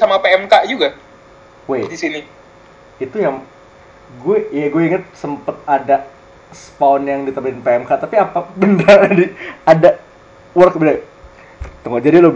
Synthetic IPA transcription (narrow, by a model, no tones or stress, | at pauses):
samapeɛmkaʔd͡ʒuɡa | wedisini | it̪ujaŋ | ɡuɛjaɡueiŋət̪̚səmpət̪̚ada | spaɔnjaŋdit̪əbəɪnpeɛmkat̪apiapabəndardiada | wərkbəna | t̪əŋad͡ʒadilo